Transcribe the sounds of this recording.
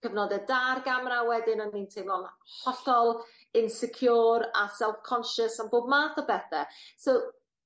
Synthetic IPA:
kəvnɔdɛdarɡamrawɛdɪnɔnːintʰejvlɔnhɔɬɔlˠ | ɪnsɛkʰjuːɾasɛlˠfkʰɔnʃəsanboːb̚maːθɔbɛθɛso

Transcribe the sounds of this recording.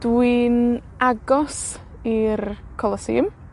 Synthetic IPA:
d̥win | aɡɔs | irkʰɔlˠɔsḭːm

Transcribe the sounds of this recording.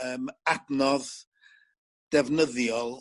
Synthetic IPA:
əːmadnɔð | d̥ɛvnəðjɔlˠ

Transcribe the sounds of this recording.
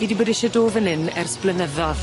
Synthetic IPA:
idiboːdɪʃɔdoːvənɨnɛrsplənəðɔð

